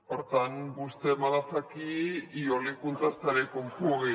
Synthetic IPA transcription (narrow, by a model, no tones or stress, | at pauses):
oɾt̪anbust̪emalasakiːolikunt͡s̪ast̪aɾekompuɣe